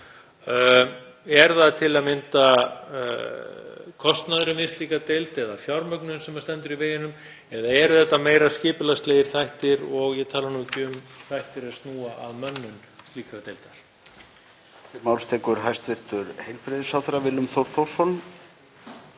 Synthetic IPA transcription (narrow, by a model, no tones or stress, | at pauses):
ɛɾðaðt̪ʰɪlaðmɪnt̪a̰ | kʰɔst̪naðʏɾʏmɪst̪liːkat̪ejlt̪ɛðafjawɾmœknʏnsɛmːast̪ɛnt̪ʏɾiveːjɪnʏm | ɛðaɛɾʏθɛht̪ːameːjɾascɪːpʏlast̪leːjɪɾ̥θajht̪ɪɾɔɣjɛt̪ʰaːlanucʏmθajht̪ɪɾast̪nuːaʔa̰ðmœnːʏnt̪liːkɾat̪ejlt̪al̥ | ɪmaːwlst̪ʰɛːkʏɾɦajst̪vɪr̥t̪ʏɾhejlpɾɪðɪsawθɾavɪlʏmθowɾ̥t̪ʰowr̥sɔn